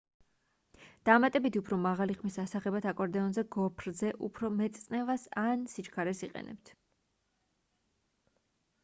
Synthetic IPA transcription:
d̪̥amat̪ʼɛbit̪ʰiupʰɾɔmaʁaliχmisasaχɛbat̪ʰakʼɔɾd̪ɛɔnzɛɡɔpʰɾzɛʔupʰɾɔmɛt̪sʼnɛvasansit͡ʃkʰaɾɛsiqʼɛ̰nɛ̰p̚t̪ʰ

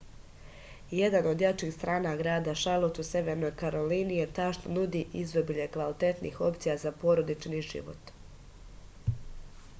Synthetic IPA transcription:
je̞d̪ano̞d̪jat͡ʃiːxst̪ɾaːnaɡɾaːd̪aʃalˠot̪use̞ʋeɾno̞jkaɾo̞linijet̪aʃnonud̪iʔizd̪obiʎekʋalit̪et̪nḭxo̞pt̪sijazapo̞ɾo̞d̪it͡ʃniʒḭʋo̞̰t̪

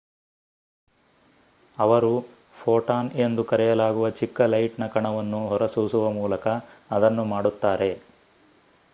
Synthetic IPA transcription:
ɐʋɐɾu | pʰoːʈaːne̞nd̪ukɐɾɛjɐlaːɡuʋɐt͡ʃikːɐlɐjʈnɐkɐɳɐʋɐnːuɦɔɾɐsusuʋɐmuːlɐkɐːd̪ɐnːumaːɽut̪ːaːɾe̞

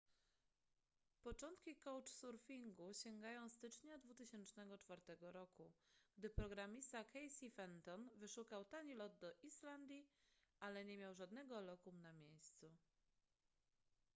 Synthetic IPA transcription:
pɔt͡ʂɔnt̪kʲikɔwt͡ʂsuɾfʲiŋɡuɕɛŋɡajɔ̃w̃st̪ɘt͡ʂɲad̪vut̪ɘɕɛnt͡ʂnɛɡɔt͡ʂfaɾt̪ɛɡɔɾɔkuɡ̥d̪ɘpɾɔɡɾamʲist̪akɛjsʲifɛnt̪ɔnvɘʂukawt̪aɲilɔd̪d̪ɔʔiʂland̪ʲjiʔalɛɲɛmʲjawʐad̪nɛɡɔlɔkumnamʲjejst̪su

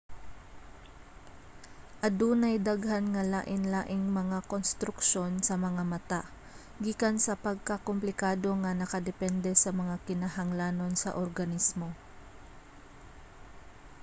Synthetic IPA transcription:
ʔɐd̪uːnɐjd̪aɡhanŋɐlaːʔɪnlaːʔɪŋmɐŋakonst̪ɾʊkʃo̞nsɐmɐŋamɐt̪a | ɡiːkansɐpɐɡ̚kɐkomplɪkaːd̪o̞ŋɐnɐkɐd̪ɛpɛnd̪ɛsɐmɐŋakɪnaɦɐŋlaːno̞nsɐ̰ʔoɾɡɐnismo̞

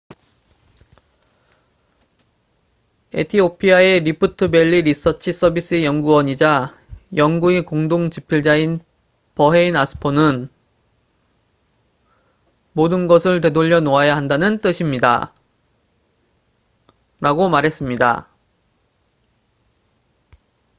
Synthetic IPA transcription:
e̞̰tʰiopʰiae̞ɾipʰɯtʰɯbe̞ʎːiɾis͈ʌt͡ɕʰis͈ʌbis͈ɯejʌŋɡuʌɲid͡ʑa | jʌŋɡuekoŋdoŋt͡ɕipʰiɭd͡ʑain | pʌɦe̞inasʰɯ̥pʰonɯn | modɯnɡʌsʰɯɭt̬e̞doʎːʌnoajaɦandanɯnt͈ɯɕʰimɲida̰ | ɾaɡomaɾɦe̞s͈ɯmɲida̰

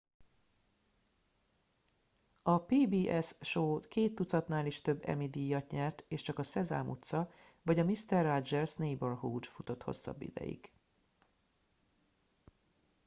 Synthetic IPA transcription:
ɒpeːbiːʔɛsʃoːkeːt̪ːut̪sɒt̪naːliʃt̪ø̞bːɛ̰mid̪ijːɒt̪ɲɛrt̪eːʃt͡ʃɒkɒsɛza̰ːmut̪sɒ | vɒɟɒmist̪ɛrːad͡ʒɛlsnejborɦuːd̪fut̪o̞t̪ho̞̰sːɒ̰bːḭd̪ɛ̰jḭɡ̥

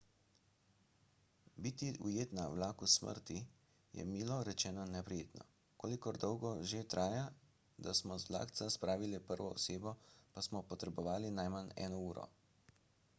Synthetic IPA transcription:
biːt̪iʔujeːt̪nawlaːkusmə̰ɾt̪i | jɛ̰miːlɔɾɛt͡ʃɛːnɔnɛpɾijeːt̪nɔ̰ | koːlikɔɾd̪ɔwɡɔʒet̪ɾʔaːja | d̪asmɔzla̰ːkt̪saspɾaːʋilɛpəɾʋɔɔseːbɔpasmɔpɔt̪ɾɛbɔʋaːlinajmanɛ̰ːnɔuːɾɔ̰

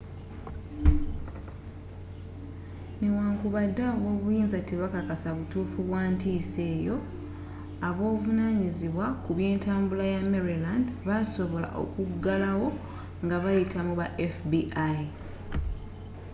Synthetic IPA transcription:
newaːŋkuβadːaβo̞ːβujiːnzatiβakakasaβutuːfuβwaːntiːse̞ːjo̞ | aβo̞ːvunaːɲiziβwakuβje̞ːntaːmbulajame̞ɾilandβaso̞βo̞la̰ʔo̞̰kuɡːalawo̞ | ŋɡaβajitʰamuβaʔefbiʔaj

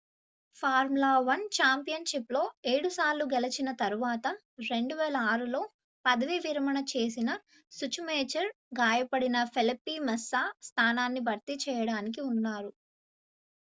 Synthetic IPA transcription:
pʰaːɾmlaːʋɐnt͡ʃaːmpijɐnʃiplo̞ːe̞ːɽusaːɾluɡelɐt͡ʃinɐt̪ɐɾuʋaːt̪ɐ | ɾe̞ɳɖuʋɛːlɐaːɾulo̞ː | pɐd̪ɐʋiʋiɾɐmɐɳɐt͡ʃe̞ːsinɐ | sut͡ʃumeːt͡ʃɐɾ | ɡaːjɐpɐɽinɐpʰelipːiːmɛsːaːst̪ʰaːnaːnːibʱɐɾt̪it͡ʃɛːjɐɽaːnik̬iunːaːɾu

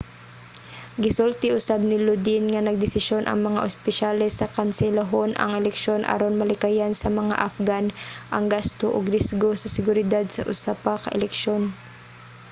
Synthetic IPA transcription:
ɡɪsult̪ɪʔʊsab̚nɪlud̪ɪnŋanɐɡ̚d̪ɪsɪʃjonʔɐ̰ŋmɐŋa̰ʔʊspɪʃalɛsɐkansɛlaɦonʔɐ̰ŋɛlɛkʃonʔa̰ɾonmɐlɪkajansɐmɐŋa̰ʔafɡanʔɐŋɡast̪oʔʊɡɾɪsɡosɐsɪɡʊɾɪd̪ad̪̚sɐʔʊsapakɐ̰ʔɛlɛkʃon

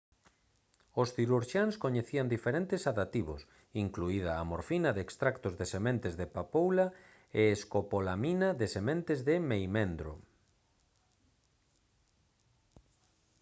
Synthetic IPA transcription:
osθiɾuɾʃanskoɲeθiand̪ifeɾent̪ɪsaðat̪iβo̰s | iŋkluið̞aːmoɾfinaðeːkst̪ɾakt̪ozðesemẽnt̪ɪzðepapowla | eːskopolaminaðesemẽnt̪ɪzðɪmejmẽnd̪ɾo̰

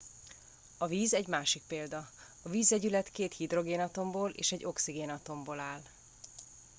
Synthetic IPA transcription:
ɒviːzɛɟmaːʃik̚peːld̪ɒ | ɒviːzɛɟylɛt̪keːt̪hid̪ro̞ɡeːnɒt̪o̞mboːlḛːʃɛɟːo̞ksiɡeːnɒt̪o̞mboːlaːl

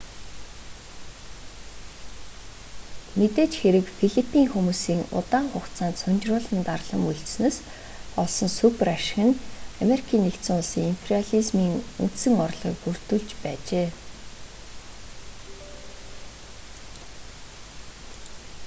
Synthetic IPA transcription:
met̪eːt͡ɕxeɾɘ̆kfiɮipʰiːŋxumuːsiːŋʊ̰t̪aːɴχʊktt͡sʰaːnt̪sʊnt͡ɕrʊːɮə̆nt̪arɮə̆muɮt͡ɕsneːs | pɔɮsɞ̆nsupraʃxɘ̆nameɾikʰiːnːekt̪sɘ̆ŋʊɮsiːŋimpʰeriaɮizmiːŋṵnt̪sɘ̆ŋɔrɮʁḭːkɡur̥t̪ŭɮt͡ɕpæːt͡ɕeː

